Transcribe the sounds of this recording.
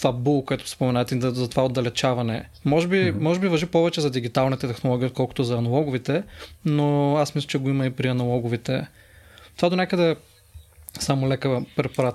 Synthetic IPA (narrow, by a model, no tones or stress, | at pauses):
t̪vabulˠkoɛt̪ʊ̥spomɛnaɛt̪ɛzɐt̪ovaod̪ɐlɛt͡ʃavɐnɛ | mɔʒɛbimɔʒɛbivɐʒipɔvɛt͡ʃɛzɐd̪iɡit̪alˠnit̪ɛt̪ɛxnolˠɔɡ̟ʲiːot̪̚kʰɔlˠkʊ̥t̪ʊzɐɐnɐlˠɔɡʊvit̪ɛnoasmislʲˠət͡ʃɛɡoimɐipɾiɐnɐlˠɔɡʊvit̪ɛ̰ | t̪ovad̪onʲakəd̪ɛ | samolɛkəpɾɛpoɾat̪